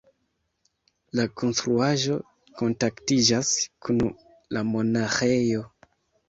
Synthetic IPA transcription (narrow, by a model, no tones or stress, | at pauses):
lakʰo̞nstɾuaʒo̞ | ko̞ntaktid͡ʒaskʰun | lamo̞naxejo̞